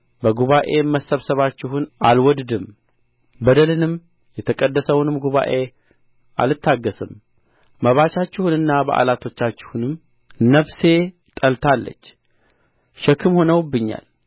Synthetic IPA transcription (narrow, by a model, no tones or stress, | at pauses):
bəɡuβaʔe̞mːəsəβsəβat͡ʃːɪɦʊnʔalwɔd̪d̪ɨm | bəd̪əlɨnɨm | jɛt̪ʰəkʼəd̪ːəsəwnɨmɡuβa̰ʔe̞ | ʔa̰lɨt̪ʰːaɡːəsɨm | məβat͡ʃat͡ʃːɪhunɨnːabəʔa̰lat̪ʰo̞t͡ʃːat͡ʃːɪ̥hunɨm | nəβse̞ | t̪ʼəlt̪ʰalːə̰t͡ʃː | ʃɛkʰːɨmho̞nəwbːɨɲːa̰l